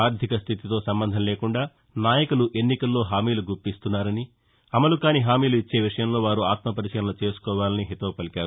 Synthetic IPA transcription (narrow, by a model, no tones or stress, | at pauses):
aːɾd̪ʱikɐst̪ʰit̪it̪o̞ːsɐmbɐnd̪ʱɐnɐleːkuɳɖaː | naːjɐkuluʔe̞nːikɐlːo̞ːɦaːmiːluɡuɾpːist̪unːaːɾɐni | ɐmɐlukaːniɦaːmiːluit͡ʃːe̞ːʋiʂɐjɐmlo̞ːʋaːɾuaːt̪mɐpɐɾit͡ʃɐɐnɐlut͡ʃe̞ːsu̥kɔːʋaːlɐniɦit̪ɐːpɐlikaːɾu